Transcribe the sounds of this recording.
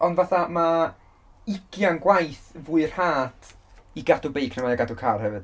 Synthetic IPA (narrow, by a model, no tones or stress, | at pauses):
ɔndvaθama | ɪɡjanɡwajθvuɨr̥haːtʰiɡadubejkʰnəmaaɡadukʰaːrhɛvɨd̥